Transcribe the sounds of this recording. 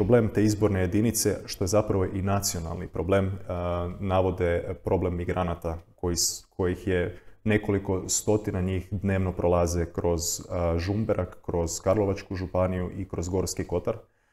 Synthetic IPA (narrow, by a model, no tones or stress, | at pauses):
pɾoble̞ːmt̪e̞izbo̞ɾneje̞d̪init̪se̞ʃt̪o̞je̞zapɾaʋo̞ʔinat̪sio̞na̰lˠnipɾo̞ble̞ːm | naʋo̞d̪epɾo̞ble̞mːiɡɾʔanat̪ako̞jiskʰo̞jixjene̞ko̞liko̞st̪o̞t̪inaɲixd̪ne̞ːʋno̞pɾolˠazekɾo̞zʒumbeɾʔakːɾo̞z̥kaɾlˠo̞ʋat͡ʃkuʒupanijuʔikɾo̞zɡo̞ɾskiko̞t̪aɾ